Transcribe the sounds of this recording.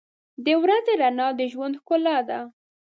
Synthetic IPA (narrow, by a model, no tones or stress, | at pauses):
d̪əwɾazeɾanɑd̪əʒwand̪xkʊlɑd̪a